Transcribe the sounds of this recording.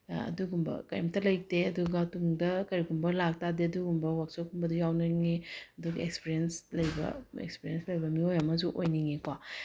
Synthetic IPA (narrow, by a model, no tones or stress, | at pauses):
ɐ̰duɡumbɐ̰kajmtɐlɐj̚teɐduɡɐtuŋdɐkɐɾiɡumbɐlak̚tadeɐduɡumbɐwak̚sokumbɐdujawnɐŋeɐduɡɐekspiɾijenslɐjbɐ̰ḛkspiɾijenslɐjbɐmiojɐmɐzuʔojniŋekwa